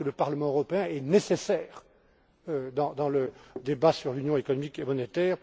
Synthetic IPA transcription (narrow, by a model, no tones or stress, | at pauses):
ələpaʁləmɑ̃øʁɔpeɛ̃ɛnesesɛːʁ | ød̪ɑ̃d̪ɑ̃ləd̪ebasyʁlynjɔ̃ekɔnɔmikemɔnet̪ɛːʁ